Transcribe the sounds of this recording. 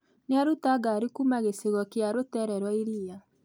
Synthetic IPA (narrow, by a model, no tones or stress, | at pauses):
neaɾutaɡaɾikumaɣeseɣɔkeaɾotɛɾɛɾwɔiɾia